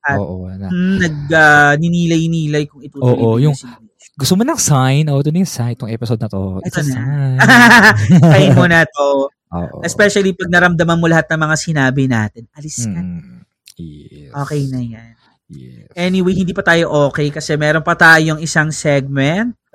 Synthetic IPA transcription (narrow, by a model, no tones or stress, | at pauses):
ʔɐʔonɐɡ̚anɪniːlɐjniːlɐjkʊŋɪt̪uoːʔojʊŋs | ɡʊst̪omonɐŋsajnoʔɛt̪onɐjʊŋsajnt̪oŋʔɛpɪsod̪̚nɐt̪o̰ɛt̪onɐ | ɐjnkonɐt̪o | oʔʔɛspɛʃɐlipɐɡ̚nɐɾɐmd̪ɐmɐnmo̞lɐɦat̪̚nɐŋmɐŋasɪnaːbɪna̰ːt̪ɪnɐlɪskɐn | jɛʔoːkɛjnɐjan | jɛʔɛniwejhɪnd̪iːpɐt̪aːjo̞ʔoːkɛjkɐsɛmɛːɾo̞npɐt̪aːjo̞ŋɪsaŋsɛɡ̚mɛnt̪̚